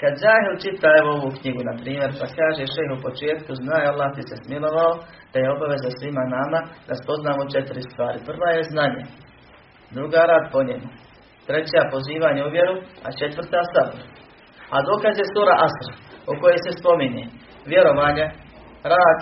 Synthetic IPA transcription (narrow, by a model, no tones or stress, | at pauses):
kad̪zaːɦilt͡ʃit̪aeʋooʋukɲiɡunapɾiːmje̞ɾpakaːʒeʃejɦupo̞t͡ʃeːt̪kuznaːjalˠːaːht̪ise̞smilo̞ʋao | d̪̥ajeo̞baʋe̞zasʋimanamad̪aspo̞znaːmot͡ʃe̞t̪iɾist̪ʋaːɾipr̩ʋaːje̞znaɲe | d̪ɾuɡaːɾaːd̪po̞ɲemu | t̪ɾe̞t͡ɕapo̞ziːʋaɲeuʋje̞ɾua̰t͡ʃe̞t̪ʋr̩t̪aːsaboɾ | ad̪oːkazje̞suːɾaʔasɾuko̞jejse̞spo̞miɲe | ʋje̞ɾo̞ʋaːɲe | ɾaːd̪